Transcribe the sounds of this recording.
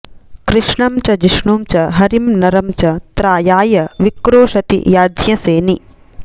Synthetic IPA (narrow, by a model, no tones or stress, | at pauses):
kɾɪʂɳɐmt͡ʃɐd͡ʒiʂɳuːmt͡ʃɐɦɐɾimnɐɾɐmt͡ʃɐt̪ɾaːjaːjɐʋikɾoːʃɐt̪ḭjaːd͡ʒjɐseːni